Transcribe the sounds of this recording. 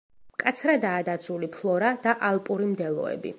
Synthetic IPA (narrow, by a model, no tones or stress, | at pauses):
mkʼat̪sʰɾad̪aːd̪at̪sʰulipʰlˠɔɾad̪̥aʔalˠpʼuɾimd̪ɛlˠɔ̰ɛ̰bḭ